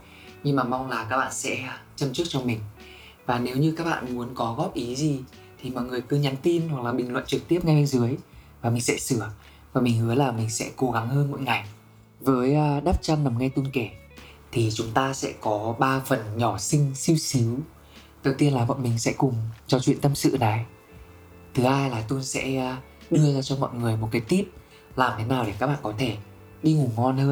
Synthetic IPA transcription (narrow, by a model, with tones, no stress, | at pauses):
ɲɨ˧ŋmaː˨˩ma˧wŋ͡mlaː˨˩kaː˦˥k̚ɓa̰ː˧˨nsɛ̰˧˥˧t͡ɕə˧mt͡ɕɨ˦˥k̚t͡ɕɔ˧mï˨˩ŋ̟ | vaː˨˩ne˨˦wɲɨ˧kaː˦˥k̚ɓa̰ː˧˨nmu˨˦ənkɔ˨˦ɣɔ˦˥p̚ʔi˨˦zi˨˩ | t̪ʰi˨˩mɔ̰˧˨jŋɨ˨˩əjkɨ˨˧˦ɲa˨˦nt̪i˧nhwa˨˩k̚laː˨˩ɓï˨˩ŋ̟lwə̰˧˨nt͡ɕɨ˨˩k̚t̪i˦˥əp̚ŋa˧jɓe˧nzɨ˨˦əjvaː˨˩mï˨˩ŋ̟sɛ̰˧˥sɨ˧˩ə | vaː˨˩mï˨˩ŋ̟hɨ˨˦əjlaː˨˩mï˨˩ŋ̟sɛ̰˧˥ko˨˦ɣa˨˦ŋhəː˧nmo̰˧˨jŋa˨˩j | vəː˨˦jʔɗaː˦˥p̚t͡ɕa˧nna˨˩mŋa˧jt̪u˧nke˧˩ | t̪ʰi˨˩t͡ɕʊ˨˦ŋ͡mt̪aː˧sɛ̰˧˥kɔ˨˦ɓaː˧fə˨˩nɲɔ˧˩sï˧ŋ̟si˧wsi˨˦w | ɗ̪ə˨˩wt̪i˧ənlaː˨˩mɔ̰˧˨jmï˨˩ŋ̟sɛ̰˧˥kʊ˨˩ŋ͡mt͡ɕɔ˧t͡ɕwḭ˧˨nt̪ə˧msɨ̰˧˨na˨˩j | t̪ʰɨ˨˦ʔaː˧jlaː˨˩t̪u˧nsɛ̰˧˥˧ | ɗɨ˧əzaː˧t͡ɕɔ˧mɔ̰˧˨jŋɨ˨˩əjmo˨˩t̚kaː˨˦jt̪i˦˥əp̚ | laː˨˩mt̪ʰe˨˦naː˨˩wɗe˧˩kaː˦˥k̚ɓa̰ː˧˨kɔ˨˦t̪ʰe˧˩ | ɗi˧ŋu˧˩ŋɔ˧nhəː˧n